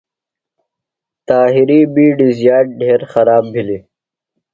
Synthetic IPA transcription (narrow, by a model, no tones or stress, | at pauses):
t̪aːɦiɾibiːɖizjaːʈ̚ɖeːɾxɐɾaːbbʱili